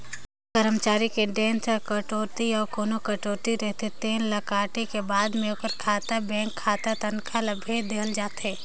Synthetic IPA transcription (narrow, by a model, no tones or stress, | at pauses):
kəɾəmət͡ʃaːɾikeɖɛ̃ːnsəkɐʈoːt̪iɔːɾkoːnokɐʈoːt̪iɾɛɦt̪et̪eːnlɐkaːʈekebaːd̪mẽʊpəɾkʰaːt̪abɛ̃ːŋkʰːaːt̪at̪ɐnkʰalɐbʱeːd̪eːld͡ʒaːt̪ɦɛː